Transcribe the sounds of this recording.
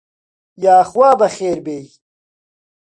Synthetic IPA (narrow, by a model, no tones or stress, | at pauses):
jaːxwaːbɐxeːɾbeːj